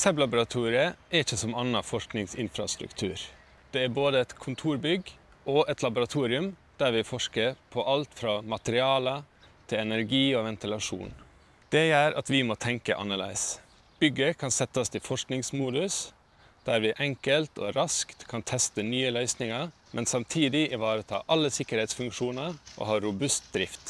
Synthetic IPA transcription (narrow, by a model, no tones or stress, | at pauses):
sœblɑbʊɾɑt̪ʰuːɾɪəɛɾɪçːəsɔmɑnːɑfɔʂknɪŋsɪ̰nfɾɑ̰st̪ɾʉ̰kt̪ʰʉ̰ːɾ | d̪̥ɛæɾboːd̪əɛt̪kʰʊnt̪ʰuːɾbʏɡ | ɔʔɛt̪lɑbʊɾɑt̪ʰuːɾɪʉmd̪̥æɾʋɪfɔʂkəɾpʰɔʔɑlt̪fɾɑːmɑt̪əɾɪɑːlə | t̪ʰɪlɛnəɾɡiːɔʋɛnt̪ɪlɑʂṵːn | d̪̥ɛjœːɾʔɑ̰t̪ʋɪmot̪ʰɛŋkə̰ʔɑ̰nːəɭḛɪs | b̥ʏɡːəkʰɑnsɛt̪ːəst̪ʰɪfɔʂknɪŋsmuːd̪ʉs | d̪̥æːɾʋɪʔɛŋkəlt̪ɔ̰ɾɑskt̪kʰɑnt̪ʰɛst̪ənyːəlœʏsnɪŋəɾmʔɛnsɑmt̪ʰiːd̪ɪʔɪʋɑːɾət̪ʰɑ̰ːʔɑlːəsɪkəɾhɛɪt̪sfʉŋkʂuːnəɾʔo̰hɑːɾʊbʉst̪̚d̪ɾɪft̪